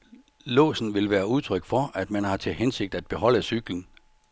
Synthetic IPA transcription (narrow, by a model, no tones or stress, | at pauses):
lɔ̰̽ːsn̩ʋe̝lʋæːɐuð̞ˠt͡sʰʁœɡ̥fɒæd̥mænhɑ̈t͡sʰe̝lɦense̝ɡ̥̚d̥æd̥̚b̥e̝ɦɒ̽l̰æsyɡ̥lən̩